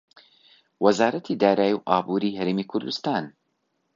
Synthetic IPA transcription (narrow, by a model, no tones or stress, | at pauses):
wɐzaːɾɐt̪ʰid̪aːɾaːjiwʔaːbuɾiːɦɐɾeːmiːkʰʊɾd̪ust̪aːn